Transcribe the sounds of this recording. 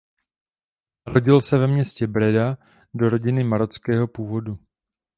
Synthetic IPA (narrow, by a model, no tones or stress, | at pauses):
ɾo̞ɟɪlsɛvɛmɲɛscɛbɾɛda | do̞ɾo̞ɟɪnɪmaɾot͡skɛːɦo̞puːvo̞du